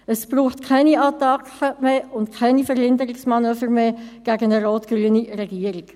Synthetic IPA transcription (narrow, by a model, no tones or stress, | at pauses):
əsb̥ruːχtkʰaɪniɑt̪ɑkχəmeːʊntkʰaɪnifəɾhɪndəɾɪksmɑnøːfəɾmeːɡ̥æɡənəɾoːtɡ̥ɾyːənirɛɡiːəɾik